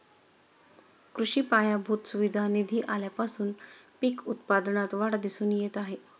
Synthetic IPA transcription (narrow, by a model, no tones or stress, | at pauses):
kɾuɕiːpajabʱut̪suʋid̪ʱanid̪ʱiːʔaljapasuːnpikut̪pad̪nat̪ʋaɽd̪isuːnjet̪aɦe